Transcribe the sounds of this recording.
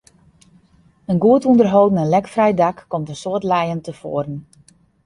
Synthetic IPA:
ənɡuətundərɦowdn̩ənlɛkfrɛjdakːɔmtənsoətlɛjəntəfo̰ərən̩

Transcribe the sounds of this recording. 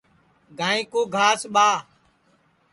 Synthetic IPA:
ɡʱãːĩːkoːɡʱaːsɓaː

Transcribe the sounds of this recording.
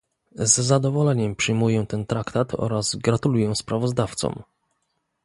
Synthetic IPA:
zːad̪ɔvɔlɛɲɛmpʂɘjmujɛ̃t̪ɛnt̪ɾakt̪at̪ʰɔ̰ɾazɡɾat̪ulujɛ̃spɾavɔzd̪aft̪sɔ̰m

